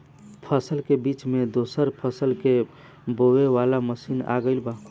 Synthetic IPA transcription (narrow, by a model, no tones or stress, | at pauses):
pʰəsəlkebit͡ʃmed̪osəɾpʰəsəlke | boweʋalaməsina̰ɡəɪlba